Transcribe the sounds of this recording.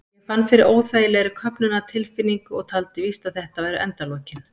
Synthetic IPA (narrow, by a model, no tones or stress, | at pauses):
jɛfanːfɪɾɪɾoːwθaːjɪlɛɾɪkʰœpnʏnat̪ʰɪlfɪnːiŋkʏɔɣt̪ʰalt̪ɪvist̪aðθɛht̪avajɾʏʔɛ̰nt̪aloːcɪn